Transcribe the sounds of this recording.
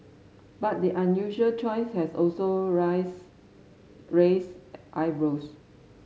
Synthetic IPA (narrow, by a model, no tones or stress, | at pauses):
bat̚diʔãnjuʒuəlt͡ʃɔɪshɛsɔlso | ɹesʔaɪvɹos